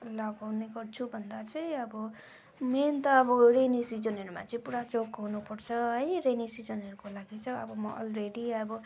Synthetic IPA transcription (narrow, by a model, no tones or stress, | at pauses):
laɡawneɡʌrt͡sʰubʱʌnd̪at͡sʌj̃ʌbʌ | ment̪ʌːbʌɾenisid͡zʌnɦʌɾuma̰t͡sʌĩpuɽat͡sokɦunupʌrt͡sʰʌɦʌjrenisid͡zʌnɦʌɾukolaɡit͡sʰʌʌbʌmʌʔʌ̰lreɽiʌbʌ